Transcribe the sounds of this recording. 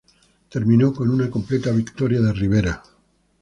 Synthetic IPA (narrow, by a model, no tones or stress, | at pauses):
t̪e̞ɾmĩnoko̞nunako̞mple̞t̪aβikt̪oɾjaðe̞riβ̞e̞ɾa